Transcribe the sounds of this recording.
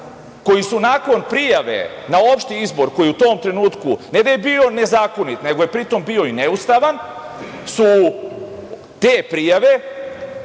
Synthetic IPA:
ko̞jisunaːko̞npɾijaʋe̞̰nao̞pʃt̪iizbo̞ɾko̞jiut̪o̞ːmt̪ɾe̞nuːt̪kuned̪ajebio̞ne̞zaːko̞nit̪ne̞ɡo̞je̞pɾit̪o̞mbio̞ineust̪aʋan | su | t̪eːpɾijaʋe̞

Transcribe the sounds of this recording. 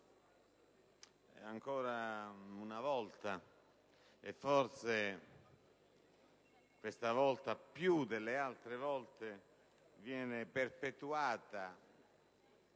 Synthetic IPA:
ɛ̰aŋkɔːɾaunavɔlt̪a | efːɔrse | kwest̪avɔlt̪apjud̪elːealt̪ɾevɔlt̪e | vjɛːneperpet̪uaːt̪a

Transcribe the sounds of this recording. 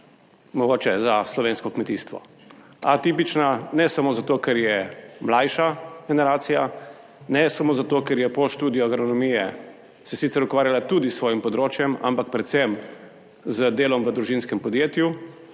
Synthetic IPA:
mɔɡoːt͡ʃɛzaslɔʋeːnskɔkmɛt̪iːst̪ʋɔ̰ | at̪ipit͡ʃnanɛsamoːzat̪oːkɛɾjɛmlajʃaɡɛnɛɾaːt̪sija | nɛsamoːzat̪oːkɛɾjɛpoʃt̪uːd̪ijɔaɡɾɔnɔmijɛ | sɛsit̪sɛɾukʋaːɾjalat̪uːd̪isːʋɔːjimpɔd̪ɾoːt͡ʃjɛma̰mpak̚pɾɛt̪sɛm | zəd̪eːlɔmʋəd̪ɾuʒinskɛmpɔd̪jeːt̪ju

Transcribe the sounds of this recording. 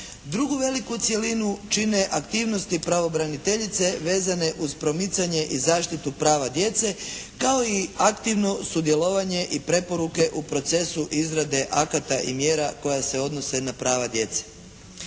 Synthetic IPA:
d̪ɾuɡuʋe̞likut̪sje̞linut͡ʃine̞ʔakt̪iːʋno̞st̪ipɾaʋo̞bɾanit̪e̞ʎit̪se̞ʋe̞ːzane̞ʔuzpɾo̞mit̪saɲe̞ʔizaːʃt̪it̪upɾaːʋad̪je̞t̪se̞kao̞iakt̪iʋno̞sud̪je̞lo̞ʋaɲe̞ʔipɾe̞po̞ɾuke̞ʔupɾo̞t̪se̞suʔizɾad̪e̞ʔakat̪aʔimjeːɾako̞jase̞o̞d̪no̞se̞napɾaːʋad̪je̞t̪se̥

